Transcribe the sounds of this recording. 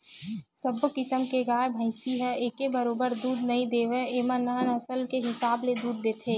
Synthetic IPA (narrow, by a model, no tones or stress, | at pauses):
səbkɪsəmkeɡaːebʱə̃ɪsiɦɛeːkebəɾoːbəɾd̪uːd̪nɐĩd̪eːʋeeːmənanɐsəlkeɦɪsaːbled̪uːd̪ːeːt̪ʰeː